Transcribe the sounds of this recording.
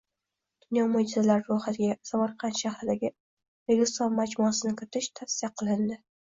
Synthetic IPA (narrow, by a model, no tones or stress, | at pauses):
d̪̥ʊnjɒmod͡ʒɪzalaɾɪɾʊhat̪ʰɪɡʲasamaɾqʰɑnʃahɾɪd̪aɡʲɪ | ɾeɡʲɪsɒnmad͡ʒmʊasɪnɪkʲʰɪɾɪt̪ʰɪʃt̪ʰafsɪjaqʰɨlˠɪnd̪ɪ